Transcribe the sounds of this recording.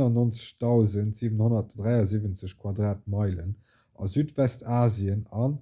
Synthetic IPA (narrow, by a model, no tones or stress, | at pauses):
nɑnont͡sə̥ɕtɑʊzəntz̥iːvənhonɐtd̥ʁæɪɑziːvənt͡səɕkʰwɑdʁaːt̚mɑɪlən | ʔɑ̰zyːtvɛstʰaːziənɑn